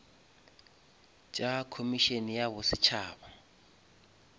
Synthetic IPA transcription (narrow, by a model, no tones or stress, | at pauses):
t͡ʃʼakʰomiʃenijaβʊsɪt͡ʃʰaːba